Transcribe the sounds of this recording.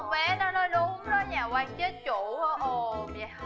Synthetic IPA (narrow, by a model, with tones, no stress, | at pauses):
ŋ͡mɓɛ˨˦nɔ˨˦nɔ˨˦jɗʊ˨˦ŋ͡mnɔ˨˦jɲaː˨˩kwaː˧ŋt͡ɕe˦˥t̚t͡ɕṵ˧˩˨ɔ˨˦ʔo˧˩mja˨˩